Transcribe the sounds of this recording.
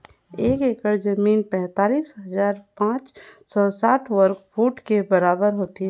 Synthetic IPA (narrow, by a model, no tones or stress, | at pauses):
eːkeːkəɾzəmiːnpɛ̃ɦt̪aːliːsɦɐzaːɾpãːt͡ʃsɔsaːʈʰʋəɾkfuːʈkebɐɾaːbəɾɦoːt̪iɦɛ̃